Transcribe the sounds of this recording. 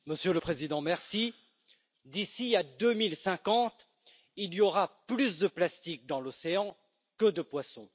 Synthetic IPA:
məsjøləpχezid̪ɑ̃mɛʁsi | d̪isiad̪ømilsɛ̃kɑ̃t̪ | iliɔʁaplysd̪əplast̪ik̚d̪ɑ̃lɔseɑ̃ | kəd̪əpwasɔ̃

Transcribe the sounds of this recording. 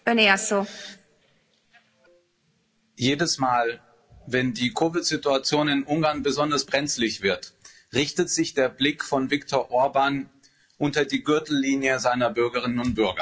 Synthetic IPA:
øneaso | jeːdəsmaːl | vɛndiːkʰoːvɪtz̥ɪtuat͡sjoːnɪnʔʊŋɡaɐnbəzɔndɐsb̥ʁɛnt͡slɪçv̥ɪɐt | ʁɪçtətz̥ɪçd̥eːɐblɪkfɔnvɪktʰɔɐʔɔɐban | ʔʊntɐdiːɡʏɐtl̩ːiːnjəzaɪnɐbʏɐɡəʁ̞ɪnənʊntb̥ʏɐɡɐ̰

